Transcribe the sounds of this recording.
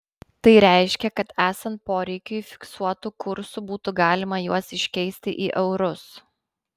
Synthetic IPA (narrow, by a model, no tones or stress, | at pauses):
t̪ɐɪɾʲæˑɪʃʲkʲɛkɐt̪æːsɐnt̪̚poːɾʲɛɪkʲʊifʲɪ̥ksuɔt̪ukʊɾsubuːt̪ʊɡɑːlʲɪmɐjuɔsɪʃʲkʲɛɪsʲt̪ʲɪʔiːʔɛʊɾʊs